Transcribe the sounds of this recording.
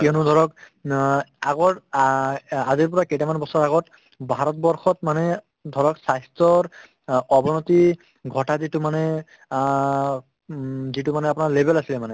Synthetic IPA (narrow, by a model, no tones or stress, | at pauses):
kiɔnʊdʱɔɹɔk | aɡɔɹ | aziɹpɔɹaketamanbɔsɔɹaɡɔt | bʱaɹɔt̚bɔɹxɔtmanɛ | dʱɔɹɔksajstɹɔɹ | ɔbɔnɔti | ɡʱɔtazitumanɛ | zitumanɛapʊnaɹlebɛlasilɛmanɛ